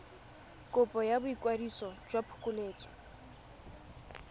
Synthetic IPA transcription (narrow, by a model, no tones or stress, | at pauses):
kʼʊpʼɔjabʊikʼwadisɔd͡ʒwapʰʊ̥kʼʊleːt͡sʼɔ̥